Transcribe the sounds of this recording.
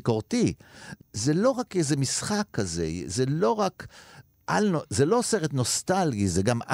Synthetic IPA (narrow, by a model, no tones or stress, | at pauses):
koʁt̪i | zelo̞ʁakezemisχakʰːazḛzelo̞ʁak | ʔalnozelo̞seʁet̪no̞st̪alɡizeɡama̰